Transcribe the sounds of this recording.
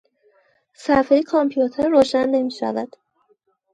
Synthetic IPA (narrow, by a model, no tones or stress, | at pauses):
sæɾfejekʰɒmpʰijut̪ʰeɾːoːʃænːe̞miːʃæ̰væ̰d̪̥